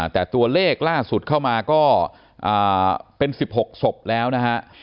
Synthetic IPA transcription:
t̪ɛː˨˩t̪u˧ɐleː˥˩k̚laː˥˩su˨˩t̪̚kʰa˥˩wmaː˧kɔː˥˩ | ʔaː˨˩pe˧nsi˨˩p̚ho˨˩k̚so˨˩p̚lɛː˦˥wna˦˥kʰa˦˥ʔ

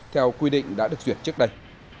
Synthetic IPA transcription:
t̪ʰɛ˧wkwi˧ɗḭ̈˧˨ŋ̟ɗa̰ː˧˥ɗɨ˨˩ək̚zwi˨˩ət̚t͡ɕɨ˦˥ək̚ɗə˧j

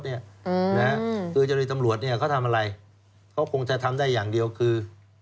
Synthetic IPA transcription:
t̪̚ni˥˩ə˧na˦˥kʰɯː˧t͡ɕa˨˩miː˧t̪a˧mɾu˨˩ət̪̚ni˥˩əkʰa˦˥˩wt̪ʰa˧mʔa˧ɾa˧j | kʰa˦˥wkʰo˧ŋt͡ɕa˨˩t̪ʰa˧mdaː˥˩jːaː˨˩ŋdi˧əwkʰɯː˧

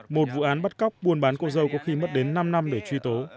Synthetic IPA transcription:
mo˨˩t̚vṵ˧˨ʔaː˨˦nɓə˦˥t̚ka˦˥wk͡p̚ɓu˧ənɓaː˨˦nkɔ˧zə˧wkɔ˨˦xi˧mə˦˥t̚ɗe˨˦nːa˧mna˧mɗe˧˩t͡ɕwi˧t̪o˨˦

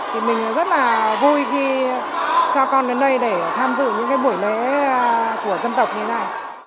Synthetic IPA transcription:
t̪ʰi˨˩mï˨˩ŋ̟ʔɔ˨˦zə˦˥t̚laː˨˩vu˧jɣi˧ | t͡ɕɔ˧kɔ˧nɡə˨˦nɗə˧jɗe˧˩t̪ʰaː˧mzɨ̰˧˨ɲɨ̰˧˥ŋkaː˨˦jɓu˧˩əjle˧˨˥ | ku˧˩əzə˧nt̪ə˨˩wk͡p̚ɲɨ˧e˦naː˨˩j

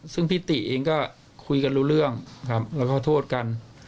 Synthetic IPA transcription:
sɯ˥˩ŋpʰi˥˩t̪i˨˩ʔeː˧ŋkɔː˥˩ | kʰu˧jka˧nɾuː˦˥˩ɾɯ˥˩əŋkʰa˦˥p̚lɛː˦˥wkɔː˥˩t̪ʰoː˥˩t̪̚ka˧n

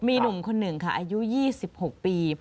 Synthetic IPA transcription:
miː˧nu˨˩mkʰo˧nːɯ˨˩ŋkʰa˥˩ʔaː˧ju˦˥jiː˥˩si˨˩p̚ho˨˩k̚piː˧

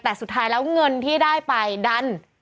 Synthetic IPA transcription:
t̪ɛː˨˩su˨˩t̪ʰːaː˦˥jlɛː˦˥wŋɤ˧nt̪ʰiː˥˩daː˥˩jpa˧jda˧n

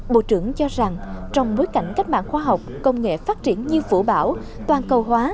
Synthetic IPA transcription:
ɓo̰˧˨t͡ɕɨ˧˩əŋt͡ɕɔ˧za˨˩ŋt͡ɕɔ˧wŋ͡mɓo˨˦jka̰˧˩jŋ̟ka˦˥jk̟̚ɓa̰ː˧˨nxwaː˧ɦa˨˩wk͡p̚kə˧wŋ͡mŋḛ˧˨faː˦˥t̚t͡ɕi˧˩ənɲɨ˧vṵ˧˩ɓaː˧˩w | t̪waː˧˩nkə˧˩wɦwaː˨˦

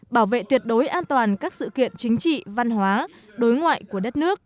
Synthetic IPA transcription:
ɓaː˧˩wvḛ˧˨t̪wi˨˩ət̚ɗo˨˦jʔaː˧nt̪waː˨˩nkaː˦˥k̚sɨ̰˧˨kḭ˧˨ənt͡ɕï˨˦ŋ̟t͡ɕḭ˧˨va˧nɦwaː˨˦ | ɗo˨˦jŋwa̰ː˧˨jku˧˩əɗə˦˥t̚nɨ˦˥ək̚

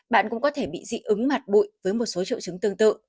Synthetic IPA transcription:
ɓa̰ː˧˨nkʊ̰˧˥ŋ͡mkɔ˨˦t̪ʰe˧˩ɓḭ˧˨zḭ˧˥ʔɨ˨˦ŋma˨˩t̚ɓṵ˧˨jvəː˨˦jmo˨˩t̚so˨˦t͡ɕḭ˧əwt͡ɕɨ˨˦ŋt̪ɨ˧əŋt̪ɨ̰˧˨

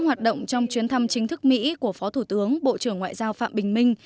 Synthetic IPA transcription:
hwaː˨˩t̚ɗə̰˧˨wŋ͡mt͡ɕɔ˧wŋ͡mt͡ɕwi˨˦ənt̪ʰa˧mt͡ɕï˨˦ŋ̟t̪ʰɨ˦˥k̚mḭ˧˥ku˧˩əfɔ˨˦t̪ʰu˧˩t̪ɨ˨˦əŋɓo̰˧˨t͡ɕɨ˧˩əŋːwa̰ː˧˨jzaː˧wfa̰ː˧˨mɓï˨˩ŋ̟mï˧ŋ̟

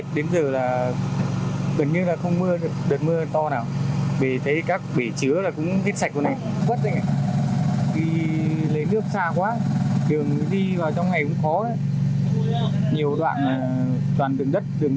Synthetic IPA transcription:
ɗe˨˦nzəː˨˩laː˨˩ | ɣə˨˩n̚ɲɨ˧nlaː˨˩xə˧wŋ͡mmɨ˧ə˨˩kɗəː˨˩t̚mɨ˧ət̪ɔ˧naː˨˩wve˧˩t̪ʰə˨˦jkaː˦˥k̚ɓe˧˩t͡ɕɨ˨˦əlaː˨˩kʊ̰˧˥ŋ͡mhe˦˥t̚sa˧˨˩k̚kːna˨˩jvə˦˥t̚za˧ŋa˧˩ | ɗi˧lə˨˦jnɨ˦˥ək̚saː˧kwaː˨˦t̪ʰɨ˨˩əŋ˨ɗi˧vaː˨˩wt͡ɕɔ˧wŋ͡mŋa˨˩jkʊ̰˧˥ŋ͡mxɔ˨˦ɗə˨˦ | ɲi˨˩əwɗwa̰ː˧˨nmaː˨˩ | t͡ɕwaː˨˩nɗɨ˨˩əŋɗə˦˥t̚t̪ɨ˨˩əŋ

